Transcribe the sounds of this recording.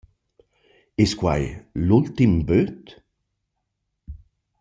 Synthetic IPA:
ɪskwa̰jlʊlt̪ɪmbøːt̪

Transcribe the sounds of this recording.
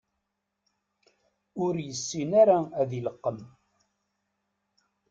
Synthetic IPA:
ʊɾjəsːinaɾaæðiləqːəm

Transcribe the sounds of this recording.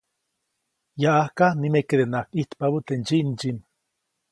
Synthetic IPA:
jaʔahkanimeked̪enakiht̪paβut̪end͡ʒiʔnd͡ʒim

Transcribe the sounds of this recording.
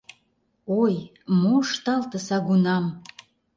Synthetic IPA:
oj | moʃt̪ɑlt̪əsɑɣunɑm

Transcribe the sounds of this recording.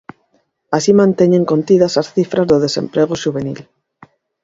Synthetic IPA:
asimãnt̪eɲẽŋko̞nt̪iðasasθifɾazðoð̞e̞sḛ̃mpɾeɣ̞oʃuβenḭl

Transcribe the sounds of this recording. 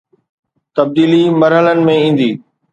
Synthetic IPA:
t̪ɐb̚d̪iːlimɐɾɦələnɪ̆mẽĩːn̆d̪iː

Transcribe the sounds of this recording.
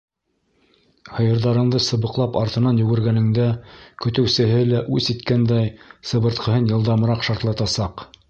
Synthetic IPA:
hɤ̆jɤ̆ɾðɑɾɤ̆ɴd̪ɤsɤ̆βɤ̆qlˠɑpɑɾt̪ɤ̆nɑnjɵ̆ɡɘ̆ɾɡænɘ̆ŋd̪ækɵ̆t̪ɘ̆wsɘ̆ɦɘlæʔʉsit̪kænd̪æjsɤ̆βɤ̆ɾt̪qʰɤ̆ɦɤnjɤ̆lˠd̪ɑm̆ɾɑqʃɑɾt̪lˠɑt̪ɑsɑq

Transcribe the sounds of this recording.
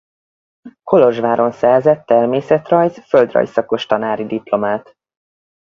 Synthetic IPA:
kʰo̞lo̞ʒʋaːɾo̞nsɛrzɛt̪ːɛrmeːsɛt̪rɒjzføld̪rɒ̰jsɒko̞ʃt̪ɒnaːɾid̪iplo̞maːt̪

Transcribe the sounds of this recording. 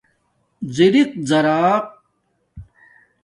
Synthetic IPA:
ziɾiq̚zɐɾaːq̚

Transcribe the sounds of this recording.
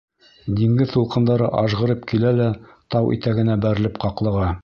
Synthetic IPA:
d̪iŋɡɘðt̪ulˠqɤ̆nd̪ɑɾɤʔɑʒʁɤ̆ɾɤpkilælæt̪ɑwʔḭt̪æɡɘ̆næbæɾɘ̆lɘp̚qɑqlˠɤ̆ʁɑ

